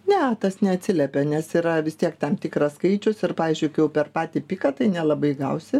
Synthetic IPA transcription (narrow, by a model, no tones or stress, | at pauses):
nʲɛt̪ɐsnʲɛɐt̪ʲsʲɪlʲɛpʲɛnʲɛsiːɾɐʋʲɪst̪ʲiɛkt̪ɐmt̪ʲɪkɾɐskɐɪt͡ʃʲʊsɪrpɑːʋʲiːzʲd͡ʒʲʊɪkɪjɛʊpʲɛrpɑːt̪ʲiːpʲɪkɐt̪ɐɪnʲɛlˠɐbɐɪɡɐʊsʲɪ